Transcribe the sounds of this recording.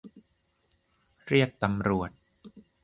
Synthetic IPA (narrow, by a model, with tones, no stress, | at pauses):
ɾi˥˩ək̚t̪a˧mɾu˨˩ət̪̚